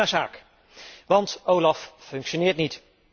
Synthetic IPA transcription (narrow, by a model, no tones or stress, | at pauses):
azaːk | ʋɑntowlɑffɵŋkʃonɪːɹtnit